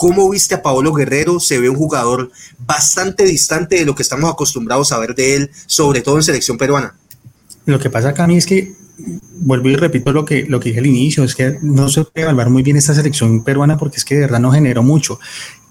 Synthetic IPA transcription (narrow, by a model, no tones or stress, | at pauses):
ko̞mo̞βist̪eapaolo̞ɣe̞re̞ɾo̞seβe̞uŋxuɣaðo̞ɾbast̪ant̪e̞ðist̪ant̪e̞ðe̞lo̞kest̪amosako̞st̪umbɾaðo̞saβe̞ɾd̪e̞elso̞βɾe̞t̪o̞ðenseleksjo̞mpe̞ɾwana | lo̞ke̞pas̬akamieske̞ | bwolbire̞pit̪olo̞kelo̞ke̞ðihealinisjo̞eskenosepweðeβalwaɾmujbje̞ne̞st̪as̬e̞leksjo̞npe̞ɾwanap̬o̞ɾkeeskeðee̞ɾðaðnoxe̞ne̞ɾo̞mut͡ʃo̞